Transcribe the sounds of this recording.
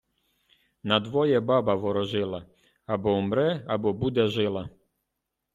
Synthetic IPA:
nɐd̪ʋɔjɛbabɐʋɔɾɔʒɪlˠɐ | abɔumɾɛabɔbud̪ɛʒɪlˠɐ

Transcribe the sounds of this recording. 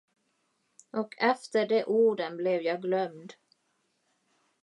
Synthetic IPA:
ʔɔkʰɛft̪əɖɛʔuːɖənblɛvjɑːɡlœmd̪

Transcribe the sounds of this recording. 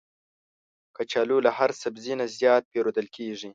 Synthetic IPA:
kat͡ʃalulahaɾsabzinazjɑːt̪̚peɾod̪əlkʰeʐi

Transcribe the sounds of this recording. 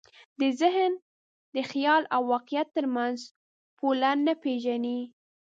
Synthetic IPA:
d̪əzɪɦn | d̪əxjɑlawːɑqijat̪ːəɾmanz | polanːapeʒani

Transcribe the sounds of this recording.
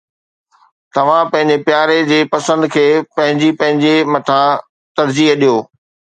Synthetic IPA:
t̪ɐʋ̤ãpɐ̃ɦɪ̃ɲd͡ʑepjaːɾed͡ʑeːpɐsə̃nd̪kʰeːpɐ̃ɦɪ̃ɲd͡ʑipɐ̃ɦɪ̃ɲd͡ʑemɐt̪ʰã | t̪ɐɾd͡ʑiːɦɗijoː

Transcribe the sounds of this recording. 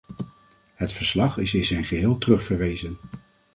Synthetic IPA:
ɦətfəɹslɑχɪsɪnzɛjnχəɦɪːlˠtrɵχfəɹʋejzən

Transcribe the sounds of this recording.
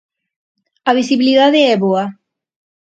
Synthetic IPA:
aβ̞isiβiliðaðeɛβoa

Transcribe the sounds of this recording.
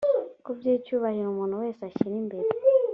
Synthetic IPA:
kubjeːcuːβahiɾumuːn̤uwe̞ːsaciɾimbeɾe

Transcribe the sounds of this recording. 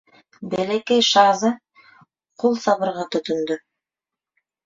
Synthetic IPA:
belekejʃɑzɯ | qʰulˠsɑβɯɾʁɤt̪ɵt̪ynd̪y

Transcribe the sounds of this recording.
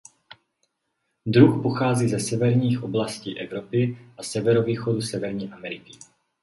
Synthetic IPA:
d̪ɾuxpoxaːziːzɛsɛvɛɾɲiːxʔo̞blasciːʔɛvɾo̞pɪʔasɛvɛɾoviːxodusɛvɛɾɲiːʔamɛɾɪkɪ

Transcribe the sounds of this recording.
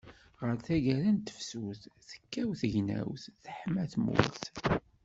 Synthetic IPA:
ʁəɾθæʝæɾænt̪ːə̥fsuθθə̥kːæwθəʝnæ̰wθθəħmæθmṵlθ

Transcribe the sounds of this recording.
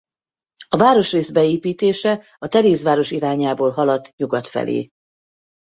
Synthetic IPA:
ɒvaːɾo̞ʃreːzbɛeːpiːt̪eːʃɛ | ɒt̪ɛɾeːzvaːɾo̞ʃiɾaːɲaːboːlɦɒlɒt̪ːɲuɡɒt̪fɛ̰lʔḛː

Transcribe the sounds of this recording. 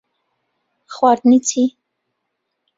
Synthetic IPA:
χwaɾd̪nit͡sʰi

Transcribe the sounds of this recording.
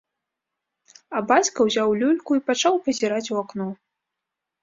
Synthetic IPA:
ɐbat͡sʲkɐwzʲawlʲulʲkuipat͡ʂawpɐzʲiɾat͡sʲuaknɔ

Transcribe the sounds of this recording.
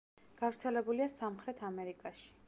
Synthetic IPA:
ɡ̥avɾt̪sʰɛlɛbuliasamχɾɛt̪ʰamɛɾikʼaʃi̥

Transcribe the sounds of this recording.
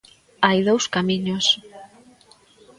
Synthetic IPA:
ajðowskamĩɲos

